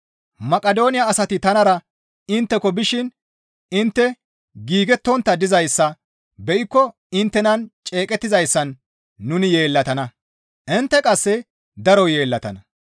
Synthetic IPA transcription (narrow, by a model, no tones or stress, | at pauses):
mɐkʼɐd̪o̞ːnɪjɐːsɐt̪ɪt̪ɐnɐɾɐ | ɪnt̪ːɛkɔbɪʃɪn | ɪnt̪ːɛ | ɡiːɡɛt̪ːɔnt̪ːɐd̪ɪzɐjsːɐ | bɛʔɪkːɔ | ɪnt̪ːɛnɐnt͡ʃʼe̞ːkʼɛt̪ːɪzɐjsːɐnː | ʊnɪje̞ːlːɐt̪ɐnɐ | ʔɪnt̪ːɛkʼɐsːɛ | d̪ɐɾɔje̞ːlːɐt̪ɐ̰nɐ